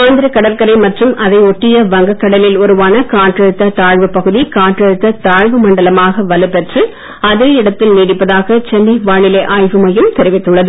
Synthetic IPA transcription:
aːnd̪ɪɾɐkɐɽɐɾkɐɾɐɪmɐʈrɯmʔɐðɐɪɔʈːɪjɐʋɐŋɡɐkːɐɽɐlɪlɔɾɯʋaːnɐkaːʈrɐɾɯt̪ːɐt̪aːɻʋɯpːɐɣɯðikaːʈrɐɽɯt̪ːɐt̪aːɻʋɯmɐɳɖɐlɐmaːɣɐʋɐlɯpɛʈrɯ | ɐðɯɪɽɐt̪ːɪlniːɽɪpːɐðaːɣɐt͡ʃɛnːiʋaːɳɪlɐʔaːjʋɯmɐjɯmt̪ɛɾɪʋɪt̪ːɯɭːɐðɯ

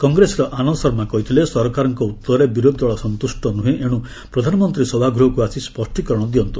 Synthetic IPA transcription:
kɔŋɡɾesɔɾɔʔanɔsɔɾmakɔɦit̪ʰilesɔɾkaɾɔŋkɔut̪ːɔɾebiɾod̪ʱwaɭɔsɔnt̪usʈɔnuɦẽʔeɽ̃ũ | pɾɔd̪ʱanɔmɔnt̪ɾisɔbʱaɡɾuɦɔkuasispɔsʈikɔɾɔɽ̃ɔd̪iɔnt̪u

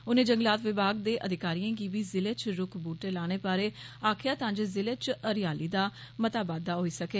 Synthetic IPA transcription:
ʊnẽːd͡ʒəŋɡlaːt̪ʋɪbʱaːɡ̚d̪eːʔəd̪ʱɪkaːɾiãːɡiːʋiːzɪlet͡ʃɾʊkʰbuːʈeːlaːɽ̃eːpaːɾeː | aːkʰjaːt̪ãːd͡ʒezɪlet͡ʃəɾɪjaːliːd̪aː | mət̪aːbaːd̪aːɦoːiːsəkeː

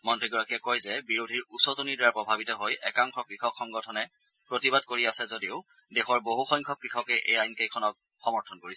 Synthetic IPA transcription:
mɔntɹiɡɔɹakijɛkɔjzɛbiɹodʱiɹusɔtonidɛɹaɹpɹɔbʱabitɔɦojʔɛkaŋxɔkɹixɔkxɔŋɡɔtʰɔnɛ | pɹotibadkoɹiasɛzodiʊ | dɛxɔɹboɦuxɔjŋkʰɔkɹixʰɔkɛʔḛjajnkejkʰɔnɔk̚ | xɔmɔɹtʰɔnkoɹisɛ

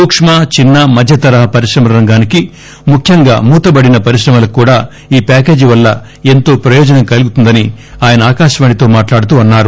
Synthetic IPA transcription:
uːkʂmaːt͡ʃinːɐmɐd̪ʱjɐt̪ɐɾɐɦɐpɐɾiʃɾɐmɐɾɐŋɡaːniki | mukʰjɐŋɡa̰ːmuːt̪ɐbɐɽinɐpɐɾiʃɾɐmɐlɐkːuːɽaː | iːpaːke̞ːd͡ʒiʋɐlːɐ | e̞nt̪o̞ːpɾɐjɔːd͡ʒɐnɐŋkɐluɡut̪und̪ɐniaːjɐnɐaːkaːʃɐʋaːɳit̪o̞ːmaːʈlaːɽut̪uːɐnːaːɾu

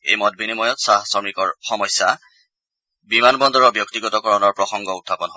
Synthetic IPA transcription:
ḛjmɔt̚binimɔjɔtsasɔmikɔɹxɔmɔjsːa | bimanbɔndɔɹɔɹbjɔktiɡɔtɔkɔɹɔnɔɹpɹɔxɔŋɡɔutʰːapɔnɦɔ

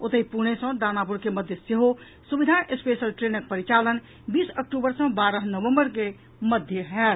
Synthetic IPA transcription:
ot̪əipuñesə̃d̪anapuɾkeməd̪ʱjəseɦo | subid̪ʱanʔespesəlʈɾenək̚pəɾit͡ʃalən | biːsək̚ʈubəɾsə̃baɾəɦnəʋəmbəɾke | məd̪ʱjəɦɛl

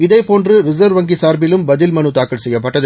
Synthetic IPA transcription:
ɪðɐɪpoːndrɯɾɪsɐɾʋʋɐŋɡisaːɾbɪlɯmbɐðɪlmɐnɯt̪aːkɐɭsɛjːɐpːɐʈːɐðɯ

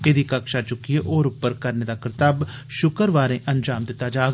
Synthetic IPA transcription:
ed̪iːkəkʃaːt͡ʃʊkːieːʔoːɾʊpːəɾkəɾneːd̪aːkɪɾɪt̪aːbʃʊkəɾʋaːɾẽːʔənd͡ʒaːmd̪ɪt̪ːaːd͡ʒaː

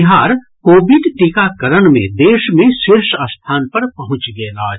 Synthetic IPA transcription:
ɦaːɾ | koːbɪɖʈikakɐɾəɽmḛ̃d̪eːʃmẽʃɪɾʃəst̪ʰaːnpɐɾpɐɦʊ̃t͡ʃɡɐelaːd͡ʒ

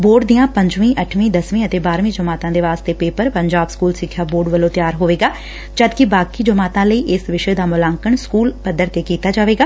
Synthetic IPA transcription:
boːɖd̪ijãːpəɲd͡ʒʋĩːʔəʈʰʋĩːd̪əsʋĩːət̪eːbaːɾʋĩːd͡ʒəmaːt̪ãːd̪eːʋaːst̪eːpeːpəɾpəɲd͡ʒaːbskuːlsɪkʰjaːboːɾɖʋəlõːt̪ɪjaːɾɦoːʋeːɡaː | d͡ʒəd̪kɪbaːkiːd͡ʒəmaːt̪ãːləiːʔɪsʋɪʃeːd̪aːmʊlaːŋkəɳskuːlpəd̪əɾt̪eːkiːt̪aːd͡ʒaːʋeːɡaː

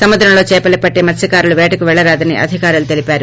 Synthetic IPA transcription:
sɐmɐd̪ɾɐmlo̞ːt͡ʃɛːpɐlepɐʈːeːmɐt̪sɐkaːɾuluʋɛːʈɐkuʋɛɭːɐɾaːd̪ɐnḭʔɐ̰d̪ʱikaːɾulut̪e̞lipaːɾu

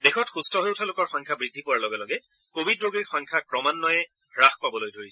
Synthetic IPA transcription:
bexɔtxustɔɦojʊtʰalʊkɔɹxɔŋkʰabɹidʱːipɔɹalɔɡɛlɔɡɛ | kobʱidɹoɡiɹxɔjŋkʰakɹɔmanːɔjɛ | ɹaxpabɔlojdʱoɹisɛ

